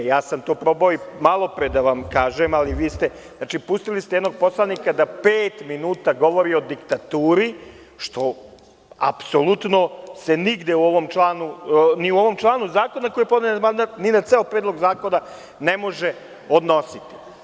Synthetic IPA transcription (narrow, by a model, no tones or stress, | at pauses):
jaːsamt̪o̞ːpɾo̞baoimalˠo̞pɾed̪aʋamkaːʒemaliʋiːst̪e | znaːt͡ʃipust̪ilist̪eɛd̪no̞ɡ̚po̞slˠanikad̪apeːt̪minuːt̪aɡo̞ʋo̞ɾio̞d̪ikt̪at̪uːɾi | ʃt̪o̞ | a̰pso̞lˠut̪no̞se̞niɡd̪euo̞ʋo̞mt͡ʃlˠaːnuniuo̞ʋo̞mt͡ʃlˠaːnuzaːko̞nako̞jepd̪nemand̪at̪ninat̪seopɾeːd̪lˠo̞ɡzaːko̞na | nemo̞ʒe | o̞d̪no̞sit̪i̥